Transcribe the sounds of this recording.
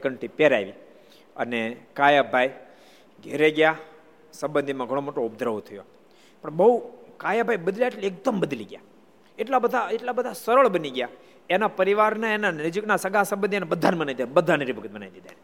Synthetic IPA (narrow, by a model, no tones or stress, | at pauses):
ekəɳʈipeɾa̰iʋi | ə̰nekajabʱaj | ɡʱeɾeɡja | sə̃mbənd̪ʱimãɡʱəɽ̃omoʈoub̚d̪ɾəʋt̪ʰəjo̰ | pəɳbəɦukajabʱajbəd̪ljaeʈliek̚d̪əmbəd̪liɡja̰ | eʈlabəd̪ʱaeʈlabəd̪ʱasəɾəɭbəniɡja | enapəɾiʋaɾnaenanəd͡ʒiknasəɡasə̃mbənd̪inebəd̪ʱːanemənaid̪abəd̪ʱaneɾibʱəkət̪̚mənajd̪id̪ʱa̰n